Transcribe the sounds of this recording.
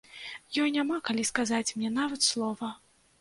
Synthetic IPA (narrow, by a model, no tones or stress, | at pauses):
jɔjnʲamakalʲiskazat͡sʲmnʲɛn̪avɐt̪slˠɔvɐ